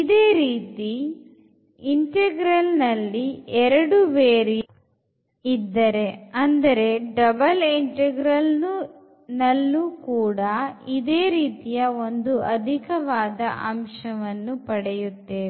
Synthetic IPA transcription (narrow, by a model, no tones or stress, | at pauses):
id̪eːɾiːt̪i | iɳʈeɡɾɐlnɐlːiɛɾɐɽuʋeːɾi | id̪ːɐɾe̞ɐnd̪ɐɾe̞ɖɐbɐliɳʈeɡɾɐlnu | nɐlːukuːɽɐid̪eːɾiːt̪ijɐo̞nd̪uɐd̪ʱikɐʋaːd̪ɐʔɐmʂɐʋɐnːupɐɽɛjut̪ːeː